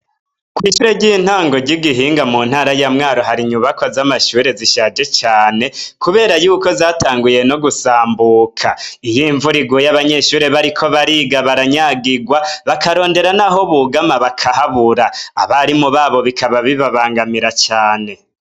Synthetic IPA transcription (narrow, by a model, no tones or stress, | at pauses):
kwiːʃuːɾe̞ɟiːn̥haːŋɡo̞ɟiɡiɦiːŋɡamuːn̥haːɾajamŋaːɾo̞ɦaɾiɲuβakwazamaʃuːɾe̞ziʃaːd͡ʒe̞t͡ʃaːne̞kuβe̞ːɾajuːko̞zaːtaːŋɡuje̞no̞ɡusaːmbuːkʰaijiɱvuɾiɡojaβaɲe̞ʃuːɾe̞βaɾikʰo̞βaɾiɡaβaɾaɲaɡiɡwaβakʰaɾo̞ːnde̞ɾanaɦo̞βuɡamaβakʰahaβuɾa̰ːβaɾimuβaːβo̞βikʰaβaβiβaβaːŋɡamiɾat͡ʃaːne̞